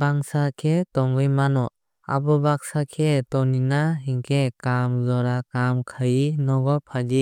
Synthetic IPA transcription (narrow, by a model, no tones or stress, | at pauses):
baŋsakʰetɔŋbɯjmanɔ | a̰bɔbak̚sakʰetɔninaɦiŋkʰekamzɔɾakamkʰajinɔɡɔpʰadi